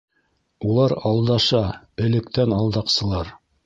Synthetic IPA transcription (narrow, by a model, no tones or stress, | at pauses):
ulˠɑɾɑlˠd̪ɑʃɑ | ɘ̆lɘ̆k̚t̪ænɑlˠd̪ɑqsɤ̆lˠɑɾ